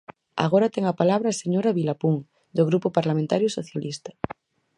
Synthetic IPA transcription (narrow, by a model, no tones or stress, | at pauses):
a̰ɣ̞oɾat̪eŋapalaβ̞ɾaːseɲoɾaβilapuŋ | d̪oɣɾupopaɾlamẽnt̪aɾjosoθjalist̪ɐ̥